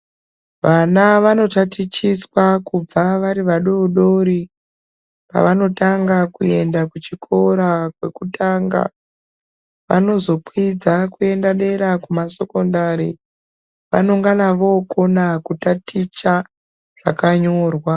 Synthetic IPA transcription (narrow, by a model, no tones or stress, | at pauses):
ʋanaʋano̞tatit͡ʃiswakub͡vaʋaɾiʋaɗo̞ɗo̞ɾi | pa̰ʋano̞taŋɡakue̞ndakut͡ʃikʰo̞ɾakwe̞̰kutʰaːŋɡa̰ | ʋa̰no̞zo̞pwid͡zakue̞ndaɗe̞ɾakumase̞ko̞ndaɾi | ʋa̰noŋɡanaʋo̞konakutatit͡ʃa | ʐ̥akaɲo̞ːrwa